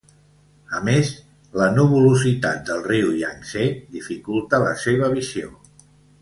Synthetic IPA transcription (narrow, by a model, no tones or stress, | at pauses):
əmes | lənuβuluzit̪a̰t̪̚d̪əlˠriuiaŋseðifikulˠt̪ələ̰seβ̞əβizio